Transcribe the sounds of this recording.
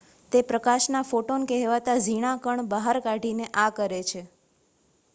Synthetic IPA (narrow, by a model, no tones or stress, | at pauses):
t̪epɾəkaʃnafoʈonkɛɦʋat̪ad͡ʒʱiɽ̃akəɳbaɦaɾkaɖʱineʔakəɾet͡ʃʰe